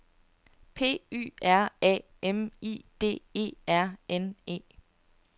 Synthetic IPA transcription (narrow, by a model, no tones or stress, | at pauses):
pʰe̝̰ːy̰ːæɐ̰ɛ̰ː | emḭːd̥e̝̰ːe̝̰ːæɐ̰ene̝̰ː